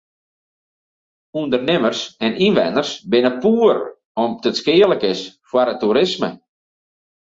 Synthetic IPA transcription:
undərnɪmərsɛninʋɛ̰nərsbɪnəpuːər | ɔmdətskɪːələkɪsfwaɾətuɾɪsmə̰

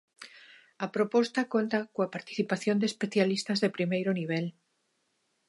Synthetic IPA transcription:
ɐpɾopost̪akont̪akoapaɾt̪i̥θipaθjond̪espeθjalist̪azðepɾimejɾʊniβ̞el

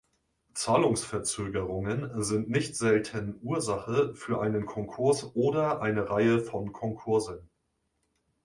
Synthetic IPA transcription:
t͡saːlʊŋsfɛɐt͡søːɡəʁʊŋənzɪntnɪçtz̥ɛltʰənʔuːɐzaχəfyːɐʔaɪnənkʰɔŋkʰʊɐsʔoːdɐʔaɪnəʁaɪəfɔnkʰɔnkʰʊɐzən

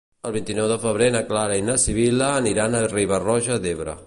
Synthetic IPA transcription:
əlˠβint̪inɔwðəfəβɾenəklaɾəinəsiβ̞iləːniɾanəriβərɔʒəd̪eβɾə̰

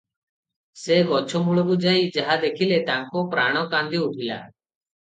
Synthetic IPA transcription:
seɡɔt͡ʃʰɔmuɭɔbud͡ʒajd͡ʒaɦad̪ekʰilet̪aŋkɔpɾaɽ̃ɔkand̪iuʈʰila̰

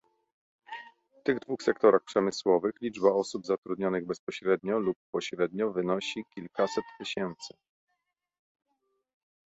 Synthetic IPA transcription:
ft̪ɘɣd̪vuxsɛkt̪ɔɾaxpʂɛmɘswɔvɘxlʲid͡ʐbaɔsubzat̪ɾud̪ɲɔnɘɣbɛspɔɕɾɛd̪ɲɔlupːɔɕɾɛd̪ɲɔvɘnɔɕikʲilkasɛt̪ːɘɕɛnt̪sɘ

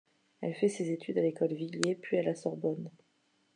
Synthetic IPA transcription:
ɛlfɛsezet̪ʰyd̪alekɔlviljepɥialasɔʁbɔn

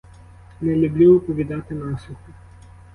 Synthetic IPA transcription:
nɛlʲublʲuɔpɔʋʲid̪ɑt̪ɪnɑslʲʊxʊ

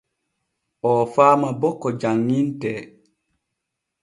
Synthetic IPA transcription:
ʔɔfaːmabɔkːɔd͡ʒaŋːintɛ

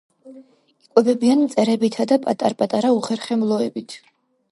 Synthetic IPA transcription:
ikʼwɛbɛbianmt̪sʼɛɾɛbit̪ʰad̪apʼa̰t̪ʼa̰ɾpʼat̪ʼaɾauχɛɾχɛmlˠɔɛbit̪ʰ

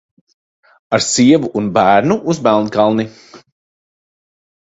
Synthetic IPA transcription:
aɾsiɛvuʔːnbæːɾnuʔuzbælˠnkalˠni

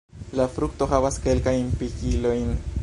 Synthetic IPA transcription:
lafɾuk̚to̞ɦavaske̞lkajnpikilo̞jn

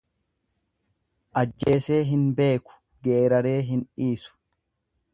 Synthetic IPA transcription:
ʔɐd͡ʒːe̞ːse̞ːɦɪnbe̞ːkʊ̥ | ɡeːɾɐɾe̞ːɦɪnᶑiːsʊ̥

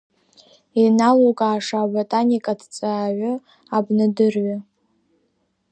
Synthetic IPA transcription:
inalokʼaːʂabatʼanikʼadt͡sʼaːɥʷʊ | abnɨdɨrɥa

